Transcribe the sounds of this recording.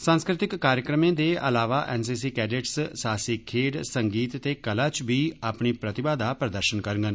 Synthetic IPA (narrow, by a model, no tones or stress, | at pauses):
sãːnskɾɪt̪ɪkːaːɾjəkɾəmẽːd̪eːə̰laːʋaːʔɛ̰ːns̬iːs̬iːkɛːɖeʈssaːsiːkʰeːɖsəŋɡiːt̪ːeːkəlaːt͡ʃbiːaːpɳiːpɾət̪ɪbaːd̪aːpɾəd̪əɾʃənkəɾəŋɡən